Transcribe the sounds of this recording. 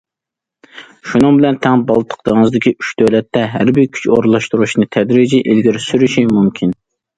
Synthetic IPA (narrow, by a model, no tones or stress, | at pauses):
ʃunɨŋbɪlɛnt̪ʰɛŋbɑlˠt̪ʰə̥qt̪əŋɨzd̪ɪkʲiʔyʃd̪̥øwlɛt̪ʰːɛɦæ̰ɾbɪɾkʲʰy̥t͡ʃoɾlˠɑʃt̪uɾuʃnɨt̪ʰɛd̪ɾid͡ʒiʔilɡʲiɾsyɾyʃimumkʲʰin